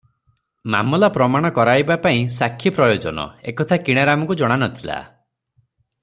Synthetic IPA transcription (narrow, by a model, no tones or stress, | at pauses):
ma̰mɔlapɾɔmaɽ̃ɔkɔɾajbapaĩsakʰːipɾɔjod͡ʒɔnɔ̰ḛkɔt̪ʰakiɽ̃aɾamɔkud͡ʒɔɽ̃anɔt̪ʰila̰